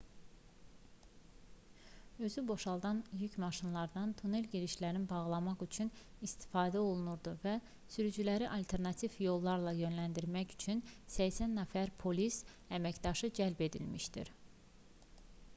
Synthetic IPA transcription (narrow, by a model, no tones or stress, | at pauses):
ø̞zybo̞ʃɑlˠd̪ɑnjycʰmɑʃinlˠɑɾd̪ɑnt̪ʰunelɟeɾiʃlæɾinbɑʁlˠɑmɑχyt͡ʃʰyn | ist̪i̥fɑːd̪æo̞lˠunuɾd̪uvæ | syɾyd͡ʒylæɾiʔɑlt̪ʰe̞ɾnɑt̪ʰivjo̞lˠːɑɾlˠɑjø̞nlænd̪iɾmæçy̥t͡ʃʰynsæçsænːæfæɾpʰo̞lis | æmæcd̪ɑʃɯd͡ʒælbe̞d̪ilmiʃd̪ḭɾ